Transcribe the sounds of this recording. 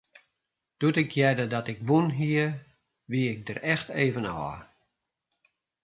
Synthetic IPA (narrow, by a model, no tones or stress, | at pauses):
d̥utɪkʰjɛdədɔtɪkʋunɦiə | ʋiəɪk̚dərɛxteːvənɔ̰ː